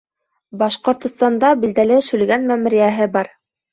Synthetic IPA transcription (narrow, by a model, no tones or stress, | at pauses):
bɑʃqŏɾt̪ŏst̪ɑnd̪ɑbild̪ælɘʃɵ̆lɡænmæm̆ɾijæɦɘbɑɾ